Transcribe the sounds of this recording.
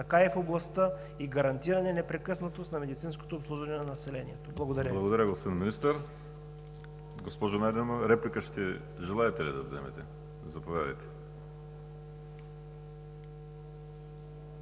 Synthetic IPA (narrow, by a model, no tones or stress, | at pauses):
t̪ɐkaɛfoblˠɐst̪ə | iɡɐɾɐnt̪iɾɐnɛnɛpɾɛkɤsnɐt̪ost̪nɐmɛd̪it̪sinsko̥t̪oːpslˠuʒvɐnɛnɐnɐsɛlɛniɛt̪oblˠɐɡod̪ɐɾjəblˠɐɡod̪ɐɾʲəɡospod̪ʲinminist̪əɾ | ɡospɔʒonajd̪ɛmoɾɛplikəʃt̪ɛ | ʒɛlˠaɛt̪ɛlid̪ɐvzɛ̰mɛ̰t̪ɛ | zɐpovjad̪ɐ̰jt̪ɛ̥